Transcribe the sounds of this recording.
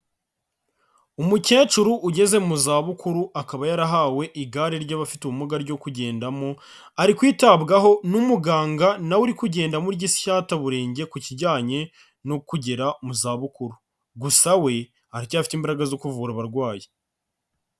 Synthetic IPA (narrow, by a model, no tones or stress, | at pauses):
umuce̞ːt͡ʃuɾuʔːɟe̞ze̞muzaːβukuɾuakaβajaɾaɦawe̞ʔiɡaɾiɾɟaβafituumuɡaɾɟo̞kuɟe̞ːndamo | aɾikwiːtabɡaɦo̞numuɡaːŋɡanawuɾikuɟe̞ːndamuɾɟisçaːtaβuɾe̞ːɲɟe̞kuciɾɟaːɲe̞ | nokuɟeɾamuzaːβukuɾu | ɡusawe̞ | aɾicaːfi̥timbaɾaɡazo̞kuvuɾaβaɾɡwaːje